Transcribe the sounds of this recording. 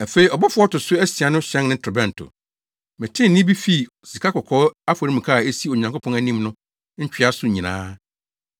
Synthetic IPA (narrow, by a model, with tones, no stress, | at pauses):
æ˨fe˨i˨ɔ˨bɔ˦fʊ˦ɔ˦tʊ˨sʊ˦æ˦si˨a˨˦nʊ̃˦ɕɛ̃˦nnɪ̃˦tʰʊ˨bɛ̃˦n̩˨tʰʊ̰˨ | mɪ̃˨tʰɪ̃˦n˨nɪ̃˦bi˦fi˦˨ | si˨kʰa˦kʰɔ˨kʰɔː˦a˦fa˨ɾi˦m̩˨kʰa˦˨e˦si˦o˨ɲã˨ŋkʰo˦pʰɔ̃˦næ˦nĩ˦mnʊ̃˦ | ɲ̩˦t͡ɕᶣɥa˦sʊ˦˨ɲĩ˨nã̰ː˦